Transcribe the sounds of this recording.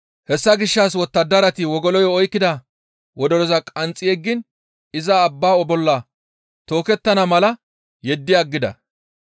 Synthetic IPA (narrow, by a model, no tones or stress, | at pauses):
hɛsːɐɡɪʃːaːs̬wɔt̪ːɐd̪ːɐɾɐt̪ɪwɔɡɔlɔjɔɔjkːɪd̪ɐ | wɔd̪ɔɾɔzɐkʼɐnt͡sʼːɪjɛɡːɪn | ɪzɐːbːaːɔbɔlːɐ | t̪o̞ːkɛt̪ːɐnɐmɐlɐ | jɛd̪ːɪjaɡːɪd̪ɐ̰